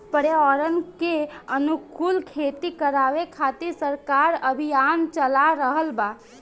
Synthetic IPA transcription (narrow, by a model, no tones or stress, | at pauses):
pəɽjeɔːɾənkeənukulkʰeːt̪ikəɾaːʋekʰaːt̪isəɾkaːɾəbʱijaːnt͡ʃəlaɾəɦəlbaː